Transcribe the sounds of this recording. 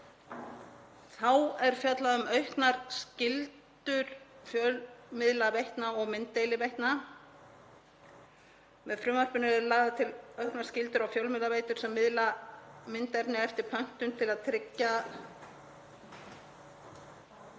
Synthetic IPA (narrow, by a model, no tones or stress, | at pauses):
θawɛɾ̥fjat̪laðʏmœɥhknaɾ̥scɪlt̪ʏɾfjœlmɪðlavejht̪naɔɣmɪnt̪ːejlɪvejht̪na | mɛðfɾʏːmar̥pʏnɪɾɛɾlaːɣðat̪ʰɪlœɥhknaɾ̥scɪlt̪ʏɾawfjœwlmɪðlavejt̪ʏɾ̥sɛmːɪðlamɪnt̪ɛɾnɪɛft̪ɪɾ̥pʰœn̥t̪ʏnt̪ʰɪlaðt̪ʰɾɪcːa